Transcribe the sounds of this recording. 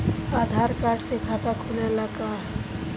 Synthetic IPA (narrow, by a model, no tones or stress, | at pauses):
aːd̪ʱaɾkaːɾɖsekʰat̪akʰonelaɡaɦɛ